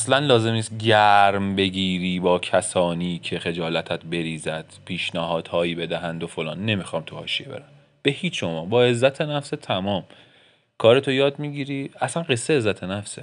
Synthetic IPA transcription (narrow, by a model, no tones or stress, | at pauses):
slænlɒːze̞mniːst̪̚ɟæɾmbe̞ɟiːɾiːbɒːcʰæsɒːniːcʰe̞xe̞d͡ʒɒːlæt̪ʰæt̪be̞ɾiːzæd̪̥pʰiːʃnæhɒːd̪̥hɒːjiːbe̞d̪æɦænd̪ofo̞lɒ̰ːnːe̞mixɒːmt̪ʰuhɒ̰ːʃiḛbe̞̰ɾæm | b̥e̞hiːt͡ʃʰʃomɒːbɒːe̞zːæt̪ʰenæfset̪ʰæmɒːm | kʰɒːɾet̪ʰojɒːd̪̚miɟiːɾiːæsænɢe̞sːeːzːæt̪ʰe̞næfse